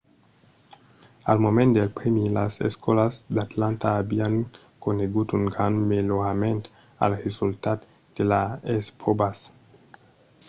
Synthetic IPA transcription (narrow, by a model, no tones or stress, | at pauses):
almomẽnt̪d̪elpɾemilasḛskolasd̪at̪lant̪aːbiaŋ | koneɡut̪uŋɡɾanmeloɾament̪ | a̰lresult̪at̪ | d̪̥elaespʰobas